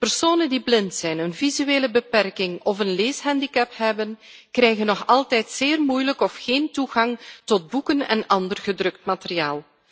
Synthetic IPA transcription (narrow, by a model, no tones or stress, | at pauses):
pərsoːnəndiblɪntsɛjnənvizyeːləbəpɛrkɪŋɔvənleːsɦɛndikɛpɦɛbənkrɛjɣənːɔxɑlˠtɛjtseːrmujləkɔfxeːntuɣɑŋtɔd̚bukənɛ̰nɑndərɣədrɵk̚tmateriaːlˠ